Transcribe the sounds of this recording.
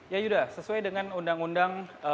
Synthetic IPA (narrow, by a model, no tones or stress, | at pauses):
jajudasəsuajdəŋanundaŋundaŋə